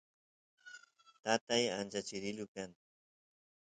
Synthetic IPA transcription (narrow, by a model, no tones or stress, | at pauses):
t̪at̪aja̰nt͡ʃat͡ʃɪɾɪʎʊkan